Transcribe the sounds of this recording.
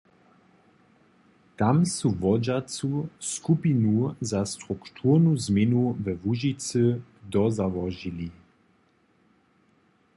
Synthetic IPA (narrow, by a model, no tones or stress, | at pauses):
t̪amsuvɔd͡ʒat͡suskupinuzast̪ʁukt̪ʰuʁnuzmɛnuvəvuʒit͡səd̪ɔzavɔʒili